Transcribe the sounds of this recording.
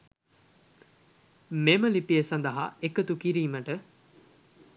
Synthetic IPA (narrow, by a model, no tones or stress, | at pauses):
memɐlipiesɐnd̪ɐɦa̰ekɐt̪ukiɾiːmɐʈə